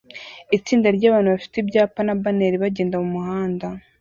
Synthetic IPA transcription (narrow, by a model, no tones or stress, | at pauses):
it͡siːndaɾɟaːβaːnuβafi̥tibɟaːpanabaneɾiβaɟeːndamumuhaːnda